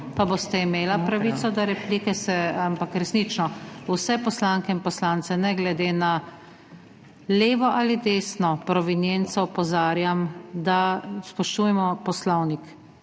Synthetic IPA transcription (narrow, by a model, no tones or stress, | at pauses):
paboːst̪aimeːlapɾaʋiːt̪sɔd̪aɾɛplikɛsɛampakɾɛsnit͡ʃnɔwsɛpɔslaŋkɛinpɔslant̪sɛnɛɡlɛd̪eːna | leːʋɔʔalid̪eːsnɔpɾɔʋinjent̪sɔpɔzaːɾjamd̪aspɔʃt̪uːjɛmɔpɔslɔwnik